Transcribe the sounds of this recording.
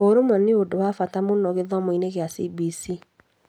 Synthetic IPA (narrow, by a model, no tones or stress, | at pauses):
oɾomwaneodowafatamonɔɣeðɔmoineɣeasibisi